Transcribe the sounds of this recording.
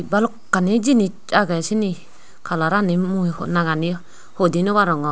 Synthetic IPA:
balɔkːanid͡ʒinit͡ʃʼaɡasini | kʰalaɾanimuhnaɡani | hodinuwaɾɔŋɔ

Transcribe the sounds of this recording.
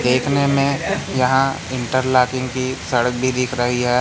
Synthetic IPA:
d̪eːkʰnemẽjɐɦã | ɪ̃ɳʈəɾlaːkɪ̃ŋɡkisɐɽək̚bʱid̪ɪːkʰɾəɦiɦɛː

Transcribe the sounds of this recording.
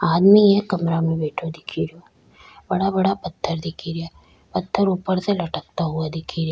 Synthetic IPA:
aːd̪miekːɐmɾamẽbeːʈʰõd̪ɪkʰiɾijo | bɐɽabɐɽapɐt̪ʰːəɾd̪ɪkʰiɾɪjaː | pɐt̪ʰːəɾuːpəɾselɐʈəkt̪aɦuad̪ɪkʰiɾja

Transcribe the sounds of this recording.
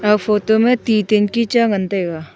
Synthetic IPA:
ɐbfoːtomẽt̪ĩːt̪inkit͡ʃaɡə̃nt̪eɡaː

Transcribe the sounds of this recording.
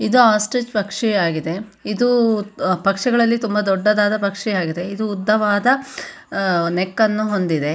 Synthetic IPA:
id̪uaːsʈɾit͡ʃpɐkʂiaːɡid̪e̞id̪u | pɐkʂɛɡɐɭɐlːit̪umbɐd̪ɔɖːɐd̪aːd̪ɐpɐkʂiaːɡid̪e̞id̪uːd̪ʱːɐʋaːd̪ɐ | nekːɐnːuɦo̞nd̪id̪e̞

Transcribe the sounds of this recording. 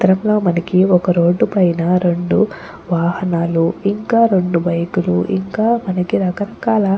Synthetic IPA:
t̪ɐɾɐmlo̞ːmɐnɐkiɔkɐɾo̞ːɖːupɐjnɐɾe̞ɳɖu | ʋaːhɐnaːluiŋkaːɾe̞ɳɖubɐjkuluʔiŋkaːmɐnɐkiɾɐkɐɾɐkaːlɐ

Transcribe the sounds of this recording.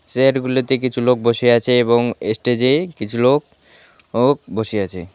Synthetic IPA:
seɾɡulot̪ek̬it͡ɕʰulok̚boʃeat͡ɕʰeeboŋesʈed͡ʑekit͡ɕʰulok̚ | k̚boʃeat͡ɕʰe

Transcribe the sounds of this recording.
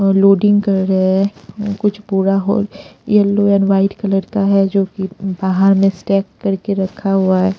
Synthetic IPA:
loːɖɪ̃ŋɡkɐɾːɐɦeɦɛkʊt͡ʃʰpuːɾaɦo̰ːljɛlːoɛ̃ːnʋaːɪʈkɐləɾkaɦɛd͡ʒoːkibaːɦaɾmẽsʈɛːkːɐɾkeɾɐkʰaɦuaɦɛː

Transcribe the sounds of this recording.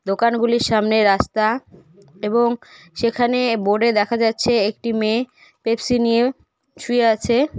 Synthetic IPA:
d̪okanɡuliɾʃamneɾast̪a | eboŋ | ʃekʰaneboɖed̪ɛkʰad͡ʑatːɕʰeek̚ʈime | pebsinije | ʃujeat͡ɕʰe

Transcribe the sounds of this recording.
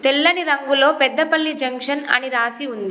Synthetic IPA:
t̪elːɐniɾɐŋɡulo̞ːpɛd̪ːɐpɐɭːid͡ʒɐŋkʂɐnɐ̰niɾaːsiund̪i

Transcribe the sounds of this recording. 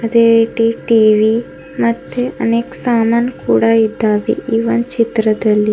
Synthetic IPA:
əd̪eeʈiʈiʋi | məd̪ʱjeʔəneksaːmankuɽaid̪ʱaʋḭʔiʋənt͡ʃit̪ɾəd̪əlːi

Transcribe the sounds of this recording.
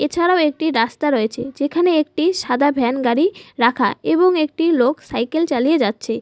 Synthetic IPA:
et͡ɕʰaɾaoek̚ʈiɾast̪aɾoet͡ɕʰed͡ʑekʰaneek̚ʈiʃad̪ʱabʱɛnɡaɾiɾakʰa̰eboŋek̚ʈiloksajkelt͡ɕalijed͡ʑatːɕʰe

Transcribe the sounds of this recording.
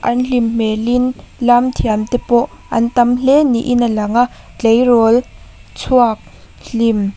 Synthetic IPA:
ʔɐnɬimmɛlinlamt̪ʰiamt̪ɛpɔʔ | ʔɐ̰nt̪ɐmlɛnḭʔinalɐŋaʔ | t͡ɬejrɔl | t͡sʰuak̚ | ɬim

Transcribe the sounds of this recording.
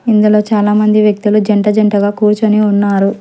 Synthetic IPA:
ind̪ulo̞ːt͡ʃaːlaːmɐnd̪iʋjɐk̚t̪ulud͡ʒɐɳʈɐd͡ʒɐɳʈɐɡaːkuːɾt͡ʃɐniunːaːɾu

